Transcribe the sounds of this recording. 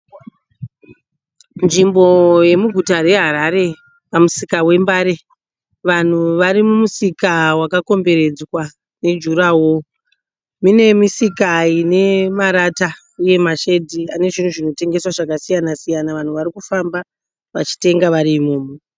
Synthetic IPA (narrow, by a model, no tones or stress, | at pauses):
nʐimbo̞je̞muɡʱutare̞ɦaɾaɾe̞ | pamusikawe̞mbaɾe̞ | ʋan̤uʋaɾimumusikawakako̞mbe̞ɾe̞d͡zwa | ne̞d͡ʒuɾawo | mine̞misikaine̞maɾata | uje̞maʃe̞dʱiane̞ʐin̤uʐino̞te̞ŋɡe̞swaʐakasijanasijanaʋan̤uʋaɾikufamba | ʋa̰t͡ʃi̥te̞ŋɡaʋaɾiːmoːmo